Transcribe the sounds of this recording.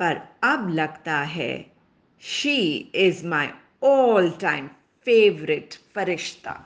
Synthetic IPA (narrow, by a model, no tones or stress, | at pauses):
pɐɾɐblɐɡt̪aɦɛ̰ | ʃiɪzmaɪ | oːlʈãɪ̃m | feːʋɾɪʈfɐɾɪʃt̪ʰa̰